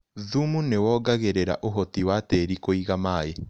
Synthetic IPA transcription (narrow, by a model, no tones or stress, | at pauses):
ðumunewɔːɡaɣeɾeɾa̰ʔoɦɔtiwateɾikoiɣamaːe